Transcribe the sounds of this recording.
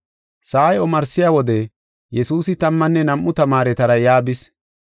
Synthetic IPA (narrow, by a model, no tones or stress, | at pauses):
saːjɔmɐɾsːɪjaːwɔd̪ɛ | jɛsuːsɪt̪ɐmːɐnːɛnɐmʔːʊt̪ɐmaːɾɛt̪ɐɾɐjaːbɪs